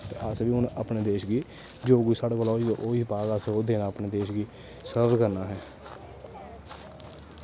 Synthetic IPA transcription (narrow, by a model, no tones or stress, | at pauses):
t̪eːʔəsʋiːʊnəpneːd̪eːʃɡiː | d͡ʒoːɡuisaɽkolaːioʔoːipaːɡəsoːd̪eːnaːəpneːd̪eːʃɡiː | səbdkəɾnaːɦɛː